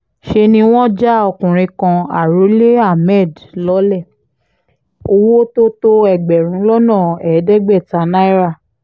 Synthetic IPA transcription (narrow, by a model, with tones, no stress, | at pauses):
ʃe˧nĩ˧w̃ɔ̃˦d͡ʒa˦ɔ˧kũ˨ɾ̃ĩ˧kã˧a̰˨ɾo˨˦le˦a˦˨mɛ˦˨dlɔ˦lɛ˦˨ | o˧wo˦to˦to˦ɛ˨ɡ͡bɛ˨ɾũ˨˦lɔ˦nãː˦˨ɛ˨˦dɛ˦ɡ͡bɛ˦˨ta˨˦na˦i˦ɾa˦˨